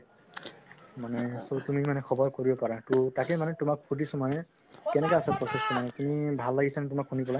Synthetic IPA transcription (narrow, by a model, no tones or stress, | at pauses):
manɛsotumimanɛkʰɔbɔɹkoɹibɔpaɹatutakɛmanɛtʊmakpʰudisɔmanɛ | kɛnɛkaasapɹɔsestɔmanɛtumibʱalːaɡisanɛtʊmakhunipɔla